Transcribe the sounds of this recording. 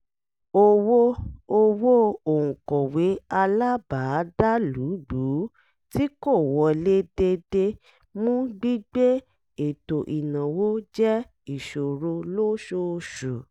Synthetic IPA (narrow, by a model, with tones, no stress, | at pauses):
o˧wo˦o˧wo˦o˨ŋũ˨kɔ˨we˨˦a˧la˦ba˨˦da˦lu˨˦ɡ͡bu˨˦ | ti˦ko˦˨wɔ˨˦le˦de˧de˧ | mũ˦ɡ͡bi˦ɡ͡be˦ | e˨to˨ʔi˨nã˨wo˦d͡ʒɛ˦ | i˨ʃo˨ɾo˧lo˦ʃo˧ʃu˨